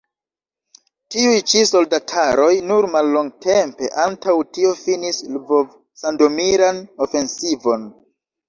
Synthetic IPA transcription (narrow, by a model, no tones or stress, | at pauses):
tiujt͡ʃiso̞ldatʰaɾo̞jnuɾmalːoŋɡtʰempe̞̰ʔantawtio̞finislvov | sando̞miɾano̞fe̞nsivo̞n